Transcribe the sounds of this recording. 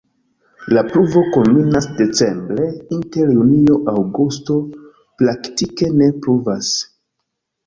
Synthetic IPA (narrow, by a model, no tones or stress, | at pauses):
lapɾuvo̞ko̞mːinasde̞t͡se̞mbɾe̞inte̞ɾjunio̞ʔawɡusto̞ | plaktike̞ne̞pɾuvas